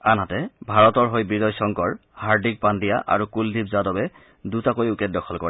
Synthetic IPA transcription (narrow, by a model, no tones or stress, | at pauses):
anɦatɛbʱaɹɔtɔɹɦojbiɹɔjsɔŋkɔɹhaɹdik̚pandija̰ʔa̰ɹukuldʱibzadɔbɛ | dutakojukɛt̚dɔkʰɔlkɔɹɛ